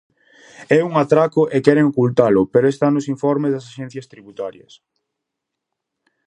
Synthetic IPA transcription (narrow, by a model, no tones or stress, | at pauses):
ɛuŋat̪ɾakʊʔekɛɾeŋokult̪alʊpeɾoest̪anʊsiɱfɔɾmezðɐsaʃɛn̟θjɐst̪ɾiβut̪aɾjɐ̰s